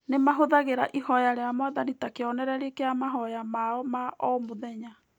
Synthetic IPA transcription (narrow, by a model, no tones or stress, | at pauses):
nemaɦoðaɣeɾaʔihɔjaɾeamwaðanitakeɔnɛɾɛɾekeamaɦɔjamaɔmaɔmoðɛɲa